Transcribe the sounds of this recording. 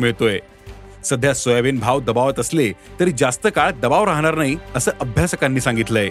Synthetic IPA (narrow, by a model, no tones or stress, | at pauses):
miɭt̪oje | səd̪ʱjasojaʋenbʱaʋd̪əbaʋət̪əslet̪əɾiːd͡zast̪əkaɭd̪əbaʋɾaɦɳ̃aɾnaɦiəsəːʔəbʱjasəkanːiːsãŋɡit̪ləe